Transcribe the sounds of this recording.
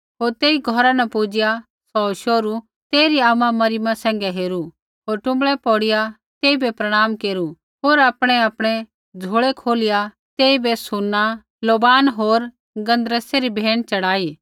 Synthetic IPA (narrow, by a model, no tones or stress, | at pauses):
ɦoːɾt̪eːiɡʱɔɾanɛpud͡ʒɪja | sɔːʃoːɾu | t̪eːɾiaːmãmɐɾɪmãsɛ̃ːŋ̆ɡɛɦeːɾu | ɦoːɾʈʊ̃mbɭɛpɔːɽɪja | t̪eːibɛpɾɐɽ̃aːmkeːɾu | ɦoːɾaːpɽ̃ɛaːpɽ̃ɛ | d͡zʱoɭɛkʰoːlɪja | t̪eːibesʊnːa | loːbaːnɦoːɾ | ɡɐ̃nd̪ɾəseɾibʱeːɽ̃t͡ʃɐɽaːi